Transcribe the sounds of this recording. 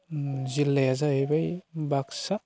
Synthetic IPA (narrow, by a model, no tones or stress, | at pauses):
zilːejazaajbajbaksa